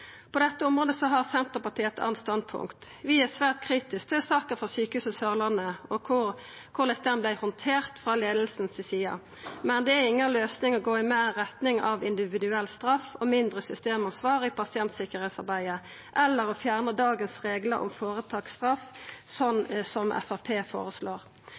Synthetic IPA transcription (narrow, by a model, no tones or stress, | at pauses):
pʰɔd̪ɛt̪ːəʊmʁoːd̪əsɔɦɑʁsɛnt̪əʁpɑʈ̪ʰiːɛt̪ʰɑ̰ːnst̪ɑnd̪̚pʰʊ̰ŋkt̪ʋɪæsʋæːʁt̪̚kʰʁiːt̪ɪsk̚d̪ɛsɑːkəfɔʁsyːkəhʉːsəsœʁlənəɔkʰʊʁ | kʰʊd̪ɛt̪ːɛnblæɪhɔnt̪ʰeːʁt̪fʁɑleːd̪l̩snsɪsiːɑ̰ | mɛnd̪ɛæɪŋːəløːsnɪŋɔɡoːɪmeːɛt̪nɪŋɑʋɪnd̪ɪʋɪd̪ʉɛlːst̪ɾɑfɔmɪnd̪ʁəsʏst̪eːmɑnsʋɑːʁɪɪpʰɑsɪɛnt̪sɪkəʁheːt̪sɑʁbæɪə | ʔɛlːəɾʁɔfjæːʁnəd̪ɑːɡənsʁeːɡlə̰ɾɔ̰mfoːʁət̪ʰɑːkst̪ʁɑfsɔnsɔmʔɛ̰fɑpʰeːfo̰ːɾəsloːʁ